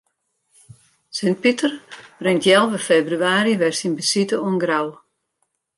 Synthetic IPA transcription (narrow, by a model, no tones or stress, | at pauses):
sɪnt̚pitərb̥rɪŋtjɛlˠʋəfeːbryaːɾiʋɛrsinbəsitəunɡraw